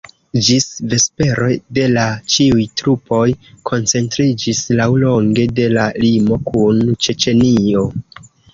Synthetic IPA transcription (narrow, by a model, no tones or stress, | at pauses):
d͡ʒisve̞spe̞ɾʔo̞jde̞lat͡ʃiujtɾupo̞jkʰo̞nt͡se̞ntɾid͡ʒislawlo̞ŋɡe̞de̞lalimo̞kunt͡ʃe̞t͡ʃe̞nio̞